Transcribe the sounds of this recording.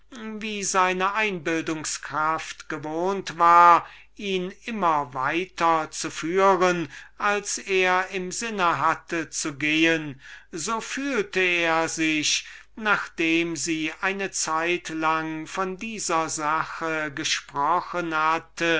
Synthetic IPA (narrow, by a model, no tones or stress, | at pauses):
viːzaɪnəʔaɪnbɪldʊŋskʁ̥aftɡ̥əvoːntv̥aːɐ | ʔiːnʔɪmɐvaɪtʰɐt͡sufyːʁənʔalseːɐɪmzɪnəɦatʰət͡suɡeːənzoːfyːltəeːɐzɪç | naːχd̥eːmziːʔaɪnət͡saɪtlaŋfɔndiːzɐzaxəɡəʃpʁ̥ɔxənhatʰə